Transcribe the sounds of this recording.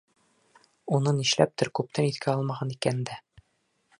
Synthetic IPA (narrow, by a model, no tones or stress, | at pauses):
unɤniɕlæ̰p̚t̪ɘɾkʉp̚t̪ænit̪kʰæɒlˠmɑʁɑnikænnd̪æ